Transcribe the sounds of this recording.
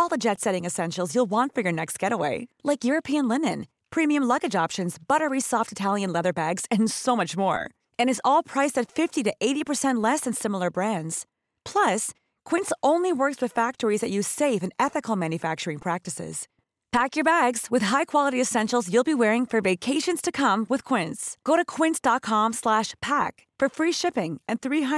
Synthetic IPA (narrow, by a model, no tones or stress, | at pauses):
ɔlˠðəd͡ʒɛtsɛɾɪ̃ŋɨsɛ̃nʃl̩ˠzjulˠwɑ̃ntfə˞jə˞nɛkst̚ɡ̥ɛɾəweɪlaɪkjʊɹɨpʰiɨ̃nlɪnɨ̰̃n | pʰɹ̥ĩmiɨ̃mlʌɡɨd͡ʒɑpʃɨ̃nzb̥ʌɾə˞isɔftɨtʰælˠjɨ̃nlɛðə˞bæɡz̥ɨ̃nsoʊmʌt͡ʃmɔ̰ɹ | ɨ̃ñɨzɔlˠpʰɹ̥aɪsɨtfɪftiɾɨʔeɪɾipʰə˞sɛ̃nʔˡlɛsɨ̃nsɪ̃ml̩ˠə˞bɹæ̃ndz̥ | pʰl̥ʌs | kʰw̥ɪ̃nsʔõʊ̃nliwɜ˞kswɨð̥fæk̚tə˞izðɨt͡ʃʉz̥seɪfɨ̃nɛθɨkl̩ˠmæ̃njɨfæk̚t͡ʃə˞ɪ̃ŋpʰɹ̥æk̚tɨsɪ̰z̥ | pʰækjə˞bæɡz̥wɨð̥ɦaɪkʰw̥ɑlˠəɾiɨsɛ̃nʃl̩ˠzjʉlˠbiwɛɹɪ̃ŋfə˞veɪkʰeɪʃɨ̃nz̥tʰɨkʰʌ̃mwɨð̥kʰw̥ɪ̃ntsɡ̥oʊɾɨkʰw̥ɪ̃ntsd̥ɑt̚kʰɑ̃mslæʃpʰæk | fə˞fɹiʃɪpɪ̃ŋɨ̃nθɹi